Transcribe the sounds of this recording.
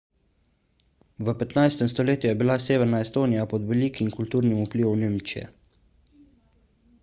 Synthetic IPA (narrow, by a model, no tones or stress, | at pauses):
ʋəpɛt̪najst̪ɛmst̪ɔleːt̪jujɛbilaseːʋɛɾnaɛst̪oːnijapɔd̪ʋɛliːkimkult̪uːɾnimupliːʋɔwneːmt͡ʃijɛ̰